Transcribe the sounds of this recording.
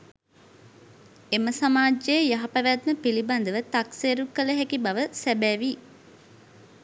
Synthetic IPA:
eməsamaːd͡ʒejejaɦapæʋæt̪məpiliband̪əʋət̪akseːɾukːələɦækibaʋəsæbæːʋi

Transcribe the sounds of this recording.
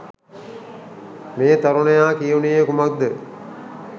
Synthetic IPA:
meːt̪aɾunɐjaːkijunijekumak̚d̪ə

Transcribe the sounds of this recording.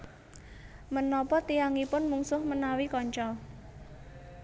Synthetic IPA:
mənɔpɔt̪iaŋipʊnmuŋsʊhmənawikɔɲt͡ʃɔ

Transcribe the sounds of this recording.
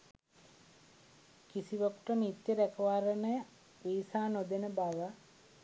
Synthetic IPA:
kisiʋəkuʈənit̪jəd̪ækəʋaɾənəjə | ʋiːsaːnod̪enəbaʋə

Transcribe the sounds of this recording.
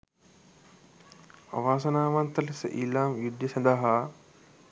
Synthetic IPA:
a̰ʋaːs̬ɐnaːʋant̪ɐlisə̰ʔilaːmjud̪jəsɐnd̪aɦa

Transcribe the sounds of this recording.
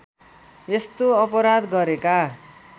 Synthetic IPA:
est̪oʌpʌɾad̪ɡʌɾeka

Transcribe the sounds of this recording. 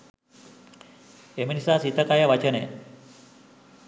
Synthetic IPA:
eminisasit̪əkajaʋat͡ɕənḛ

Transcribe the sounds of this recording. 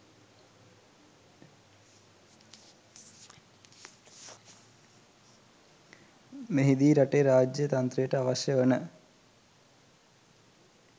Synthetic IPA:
meɦid̪iːɾɐʈːeːɾaːd͡ʑjɐt̪ɐnt̪rejeʈːɨɐʋɐɕjɐʋɐnɨ

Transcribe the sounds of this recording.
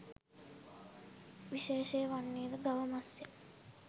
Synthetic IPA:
ʋiʃeːʃejʋanːiːɾəɡaʋəmasːe

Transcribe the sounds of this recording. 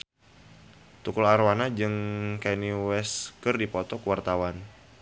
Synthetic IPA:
t̪ukʊlaɾwanad͡ʒɨŋkaniwɛskərdipɔt̪ɔkəwart̪awan

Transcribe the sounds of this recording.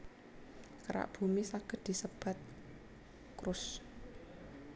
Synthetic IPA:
kəɾa̰ʔb̥ṳmisaɡ̥ə̤d̪̥i̤səb̥a̤t̪̚ | kɾʊs

